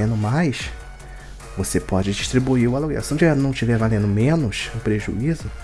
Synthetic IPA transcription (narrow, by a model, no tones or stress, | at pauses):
ẽnd̪ʊmajs | vosepɔd͡ʒɪd͡ʒiʃt̪ɾibuiɾʊaloɡɛ̰sɪɐ̃t͡ʃivɛɾnɐ̃w̃t͡ʃivɛɾvalẽnd̪ʊmẽnʊʃʊpɾeʒṵizʊ